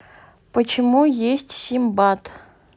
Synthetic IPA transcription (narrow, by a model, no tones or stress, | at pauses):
pət͡ɕɪmujesʲtʲsʲimbɑt̪